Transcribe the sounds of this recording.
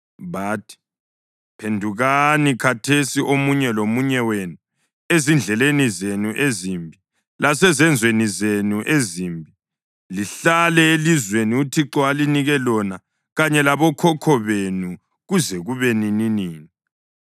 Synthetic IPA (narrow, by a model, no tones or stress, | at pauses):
βaːtʰi̥ | pʰendʱuɣanikʰatʰesiʔomuɲɛlomuɲɛwenu | ezind͡ɮʱɛlenizenuʔezimbʱi | lasɛzɛnd͡zʱwenizenuʔezimbʱi | liɬalɛelizweniutʰiǁɔaliniɣɛlɔna | ɣaɲɛlaβɔkʰɔkʰɔβenu | ɣuzɛɣuβenininiːni